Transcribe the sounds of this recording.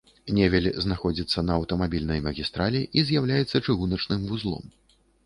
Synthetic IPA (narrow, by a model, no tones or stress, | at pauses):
nʲɛvʲɛlʲznaxɔd͡zʲit̪sːɐnɐːwt̪ɐmabʲilʲnɐjmɐɣʲist̪ɾalʲiʔizʲjawlʲajɛt̪sːɐt͡ʂɨɣunɐt͡ʂnɨmvuzlˠɔ̰m